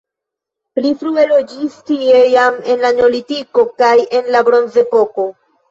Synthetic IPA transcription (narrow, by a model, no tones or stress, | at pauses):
plifɾue̞lod͡ʒistie̞jame̞nlaɲo̞litiko̞kaje̞nlabɾo̞nze̞po̞ko̞